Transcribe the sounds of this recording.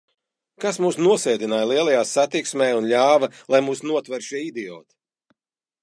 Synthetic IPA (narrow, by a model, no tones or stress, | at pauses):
kasmuːsnuɔsɛːd̪inaːjlˠiɛlˠajaːsat̪iksmʲɛːjunʎʲaːvɐlˠajmuːsnuɔt̪vɛɾʃiɛid̪ɛɔ̰ːt̪